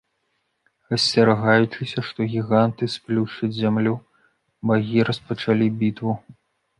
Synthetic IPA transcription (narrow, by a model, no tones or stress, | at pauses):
ɣɐsʲt͡sʲɐɾaɣajut͡ʂɨsʲɐʂt̪ɔɣʲiɣant̪ɨsplʲuʂɨzʲamlʲu | baɣʲiɾɐspɐt͡ʂalʲibʲit̪vu